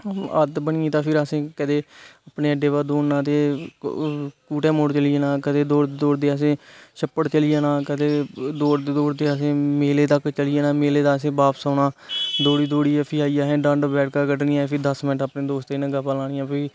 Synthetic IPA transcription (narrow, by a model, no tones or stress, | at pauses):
əd̪bəɳɪĩːt̪ãːpʰɪɾəsẽːkəd̪eːəpneːəɖeːʋaːd̪oːnnãːt̪eː | kuːʈɛːmoːɽt͡ʃəljeːnãːkəd̪eːd̪oːɽd̪oːɽd̪eːəs̬ẽːʃəpːəɽt͡ʃəlɪjaːnãːkəd̪eːd̪oːɾd̪eːd̪oːɾd̪eːəsẽːmeːleːt̪əkt͡ʃəlɪjeːnaːmeːleːd̪aːəsẽːbaːpsaːnaːd̪oːɽiːd̪oːɽiːɛːpʰiaːijaːɦɛ̃ːɖãɳɖbɛːʈkakəɖniːãpʰɪd̪əsmɪnəʈəpneːd̪oːst̪eːnə̃ɡəpaːlãːniːjãːpʰɪ